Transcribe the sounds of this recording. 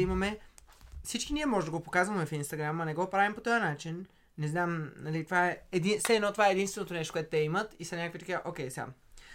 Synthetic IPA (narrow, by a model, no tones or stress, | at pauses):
imɐmɛ | fsit͡ʃkiniɛmɔʒɛd̪əɡopokazvɐmɛfinst̪ɐɡɾamːɐnɛɡɔpɾavimpot̪ojənat͡ʃinː | ɛznamnɐlit̪ovaɛɛd̪insɛɛd̪nɔt̪ovaɛːd̪inst̪vɛnot̪onɛʃ̬to̥kowɛt̪ʊt̪ɛimət̪isɐnʲakvit̪ɐkiəʔokʲɛjsa̰m